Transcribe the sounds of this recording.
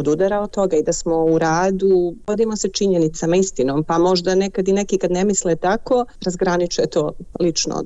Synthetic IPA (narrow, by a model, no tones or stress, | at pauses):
od̪ud̪aɾaot̪o̞ɡaid̪asmo̞uɾaːd̪ubod̪imo̞set͡ʃiɲenit̪samaist̪ino̞ːmpamo̞ʒd̪ane̞kad̪ine̞kikad̪ne̞mislet̪ako̞ɾazɡɾanit͡ʃujet̪oːlit͡ʃno̰